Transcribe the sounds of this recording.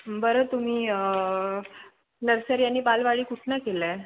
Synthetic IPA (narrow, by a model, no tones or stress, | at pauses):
bəɾət̪um̤iː | nəɾsəɾjanːiːpalʋaɭiːkuʈʰnakela